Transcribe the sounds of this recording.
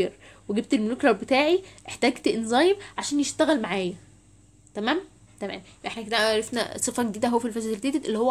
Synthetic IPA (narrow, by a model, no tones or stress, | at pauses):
eɾweɡeb̚t̪elmolukɾˤɑbet̪æːʕiʔeħt̪æːɡt̪ʔenzˤɑːjemʕaʃæːnjeʃt̪æɣælmaʕaːjæ | t̪æmæːm | t̪æmæ̰ːm | ʔeħnækenæʔɾˤefnæ̰sˤefɑɡed̪iːd̪æɦowːæfilfæsd̪lt̪eːd̪et̪ʔelːihowːæ